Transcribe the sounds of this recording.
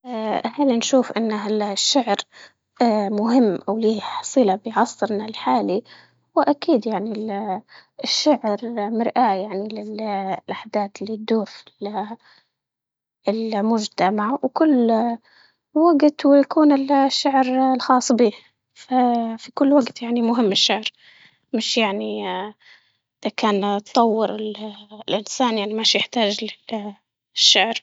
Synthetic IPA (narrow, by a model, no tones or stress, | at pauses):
haːlinʃuːfʔɪnːaalʃːaʕɾ | mʊɦɪmːʔawliːħɑsˤɨːlabɪjʕɑsˤːɨɾnalħaːli | wɪʔakiːd̪jaʕni | ɪʃːaʕɾmɪɾʔajaʕnilɪllʔaħd̪aːt̪ɪlːid̪uːɾfi̥l | ɪlmʊd͡ʒt̪amaʕwkʊlː | waɡt̪wɪjakuːnɪlʃːaʕɾlxɑːsˤːbiː | fafikʊlːwaɡt̪jaʕnimʊɦɪmːɪʃːaʕɾ | mɪʃjaʕni | ʔɪðakaːnt̪t̪ˤɑwːɪɾɪllʔɪnsaːnjaʕnimaʃjɪħt̪aːd͡ʒlɪ | ʃːaʕɾ